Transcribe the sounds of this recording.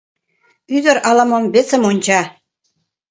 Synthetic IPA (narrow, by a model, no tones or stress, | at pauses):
yd̪ə̆ɾɑlɑmɤ̆mbet͡sə̆monʲt͡ɕɑ